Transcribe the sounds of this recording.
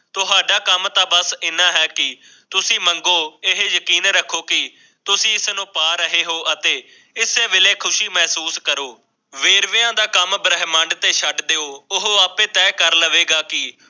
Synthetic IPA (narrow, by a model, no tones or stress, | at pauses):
t̪ʊɦaːɖaːkəmt̪ãːbəsɪnãːɦɛːkɪ | t̪ʊsĩːməŋɡoːɪɦjəkiːnɾəkʰːoːkɪ | t̪ʊsĩːɪsnũːpaːɾəɦeːɦoːʔət̪eː | ɪseːʋɪleːkʰʊʃiːmɛːsuːskəɾoː | ʋeːɾʋɪãːd̪aːkəmbəɾəɦmə̃ɳɖt̪eːʃʰəɖd̪eːoːʊɦoːaːpẽːt̪ɛːkəɾləʋeːɡaːkɪ